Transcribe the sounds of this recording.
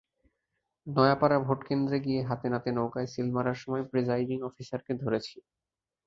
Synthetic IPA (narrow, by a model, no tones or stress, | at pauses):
nɔeapaɾabʱoʈkend̪ɾeɡijeɦat̪enat̪enowkaesilmaɾaɾʃɔmɔepɾid͡ʑajɖiŋɔfisaɾked̪ʱoɾet͡ɕʰi